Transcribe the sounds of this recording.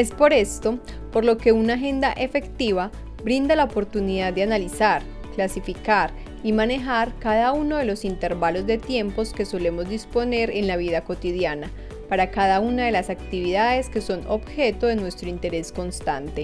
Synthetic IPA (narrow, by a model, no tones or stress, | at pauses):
e̞spo̞ɾe̞st̪o̞ | po̞ɾlo̞ke̞unaxe̞nd̪aʔe̞fe̞kt̪iβa | bɾind̪alaopo̞ɾt̪uniðad̪d̪eanalisaɾ | klasifikaɾ | imane̞xaɾkaðaunoðe̞lo̞sint̪e̞ɾbalo̞zd̪e̞t̪je̞mpo̞ske̞so̞le̞mo̞zd̪ispo̞ne̞ɾe̞nlaβiðako̞t̪iðjana | paɾakaðaunaðe̞lasakt̪iβiðaðe̞ske̞so̞no̞bxe̞t̪oðenwe̞st̪ɾoint̪e̞ɾe̞sko̞nst̪ant̪e̞